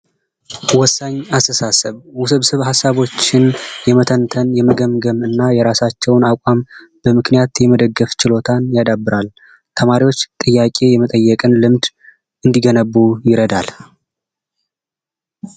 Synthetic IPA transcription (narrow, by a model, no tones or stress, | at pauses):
wɔsːaɲːast̪ʰəsasəβwusɨβsɨβhasːaβo̞t͡ʃːɪnjɛmət̪ʰənt̪ʰənjɛməɡəmɡəmɨnːajɛɾasat͡ʃːɛwnakʷʼam | b̥əmɨknijat̪jɛməd̪əɡːəft͡ʃɪlo̞t̪ʰanjad̪abːɨɾal | t̪ʰəmaɾiwo̞t͡ʃːt̪ʼɨjːakʼe̞jɛmət̪ʼəjːɛkʼɨnlɨmd̪ | ɨnd̪iɡənəβːujɪɾəd̪al